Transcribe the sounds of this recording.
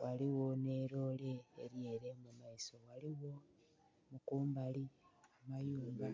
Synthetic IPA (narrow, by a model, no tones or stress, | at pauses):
waliwo̞neɾo̞le̞̰ːɾje̞ːɾe̞mumaiso̞ɣaliɣo̞ | mukuːmbaliamajuːmba